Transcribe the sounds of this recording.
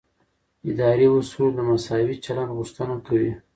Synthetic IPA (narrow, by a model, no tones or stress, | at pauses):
ɪd̪ɑɾiusud̪əmasɑwit͡ʃalandɣuʂt̪ənakawi